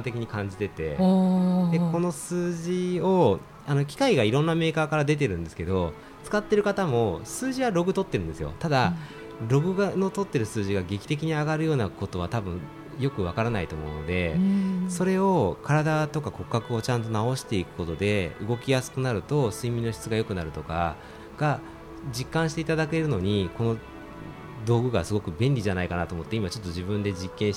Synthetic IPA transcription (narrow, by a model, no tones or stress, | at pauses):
t̪e̞kʲiɲ̟ikãɲ̟d͡ʑit̪e̞t̪e̞̰ | d̪eko̞no̞sɨːʑio̞ | ano̞kʲi̥kaiɡaiɾõ̞nːame̞ːkaːkaɾad̪e̞t̪̬e̞ɾɯ̟̃nd̪e̞sɨ̥ke̞d̪o̞ | t͡sɨ̥kat̪ːe̞ɾɯ̟kat̪amo̞sɨːʑiβaɾo̞ɡɯ̟t̪o̞t̪ːeɾɯ̟nd̪sɨjo̞̰t̪ad̪a | ɾo̞ɡɯ̟ɡano̞t̪o̞t̪ːe̞ɾɯ̟sɨːʑiɡaɡe̞kʲi̥t̪e̞k̬ʲiɲ̟iaɡaɾɯ̟jo̞ːnako̞t̪o̞β̞at̪abɯ̟̃ | jo̞kɯ̟β̞akaɾanait̪o̞̰ːmo̞̰ɯ̟no̞̰d̪e̞̰so̞ɾe̞o̞kʰaɾad̪at̪o̞kako̞kːakɯ̟o̞t͡ɕãnt̪o̞nao̞ɕi̥t̪e̞ikɯ̟̥ko̞t̪o̞d̪e̞ɯ̟ɡo̞kʲijasɨ̥kɯ̟naɾɯ̟t̪o̞sɨimʲĩno̞çʲi̥t͡sɨɡajo̞kɯ̟naɾɯ̟t̪o̞ka̰ | ɡ̥a | d͡ʑikːãɰ̃ɕi̥t̪eit̪ad̪ake̞ɾɯ̟no̞ɲ̟iko̞no̞ | d̪o̞ːɡɯ̟ɡasɨɡo̞kɯ̟bẽ̞nʲɾʲiʑanaikanat̪omo̞t̪ːeimat͡ɕo̞t̪ːo̞ʑibɯ̟̃nd̪e̞d͡ʑikːẽ̞ɰ̃ɕ